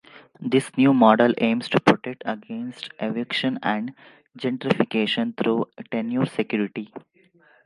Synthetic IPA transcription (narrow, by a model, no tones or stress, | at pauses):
d̪ɪsnjuːmɔːɖəlʔẽːmsʈupɾoʈek̚ʈəɡẽːnsʈʔeʋɪkʃə̃næ̃ɳɖ | d͡ʒɛ̃ɳʈɾɪfɪkeːʃə̃nt̪ʰɾuːʈẽnjuːɾsekjuːɾɪʈi